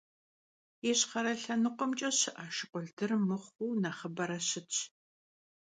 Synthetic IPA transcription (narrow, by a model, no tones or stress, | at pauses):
eɕχɐɾɐɬɐnɨqʷʼɔmt͡ʃʼɐɕɪʔaːʃɪqʷɔɮtʰɨrmɨχʷuːnaːχəbɐɾɐɕɪt͡ʃʼ